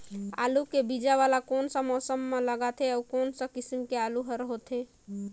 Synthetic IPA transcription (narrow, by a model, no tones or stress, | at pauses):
a̰ːlukebid͡ʒaʋalakoːnsə̃mɔːsəmːẽləɡat̪ʰeɔːkɔːnsə̃kɪsimkeaːluɦəɾɦot̪ʰe